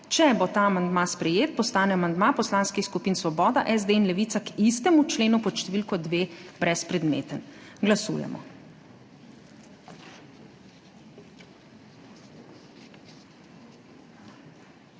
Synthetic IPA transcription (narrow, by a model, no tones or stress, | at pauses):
t͡ʃɛbot̪aːamand̪maspɾɛjeːt̪̚pɔst̪aːnɛamand̪mapɔslaːnskixskupiːnsʋɔbɔːd̪aʔɛzd̪einlɛʋit̪sakist̪ɛmut͡ʃleːnupɔʃt̪ɛʋiːlkɔd̪ʋeːb̥ɾɛspɾɛd̪mḛːt̪ənɡlasṵːjɛ̰mɔ̰